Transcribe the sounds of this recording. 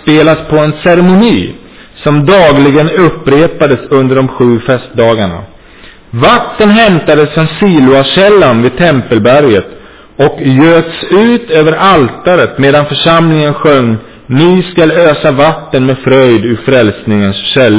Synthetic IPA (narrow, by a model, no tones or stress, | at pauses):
speːlaspʰɔɛnsɛɾɛmʊniː | sɔmd̪ɑːɡlɪɡənɵpːɾeːpad̪əsɵnd̪əɖɔmɧʉ̟ːfɛst̪̚d̪ɑːɡaɳa̰ | vat̪ːənɦɛmt̪ad̪əsːɔnsiːlʊaɕɛlːanvɪd̪̚t̪ʰɛmpəlbæɾjət̪ | ɔkjøːt̪sʉ̟ːt̪øːvəɾʔalt̪aɾət̪meːd̪anfœʂamlɪŋənɧœŋː | nɪskaløːsavat̪ːənmɛfɾœjd̪ɵfɾɛlsnɪŋənsɕɛlː